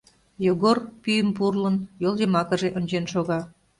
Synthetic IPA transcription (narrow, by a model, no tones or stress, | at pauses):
joɣorpyjəmpurlənjolˠjəmɑkə̆ʒeʔonʲt͡ɕenʃoɣɑ